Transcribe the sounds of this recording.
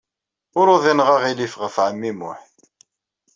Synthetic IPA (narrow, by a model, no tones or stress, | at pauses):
ʊɾʊðinʁaʁilifʁəfʕəmːimʊ̰ħθ